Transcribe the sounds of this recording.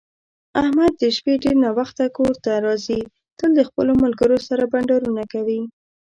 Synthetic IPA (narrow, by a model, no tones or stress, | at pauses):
ahmad̪̚ːəʃpeɖeɾnɑwaxt̪akoɾt̪aɾɑzi | t̪əld̪əxpəlomalɡəɾosaɾabaɳɖɑɾunakawi